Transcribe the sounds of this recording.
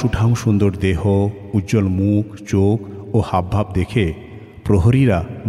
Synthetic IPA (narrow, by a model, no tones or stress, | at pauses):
uʈʰaŋʃund̪oɾd̪eɦo | uʑolmukʰt͡ɕokohabʱabd̪ekʰe | pɾoɦoɾiɾan